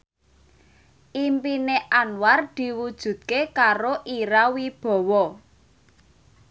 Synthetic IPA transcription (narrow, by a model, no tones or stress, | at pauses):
ʔimpineʔanward̪̥i̤wud̥ʒ̥ṳt̪̚kekaɾoʔiɾawib̥ɔ̤wɔ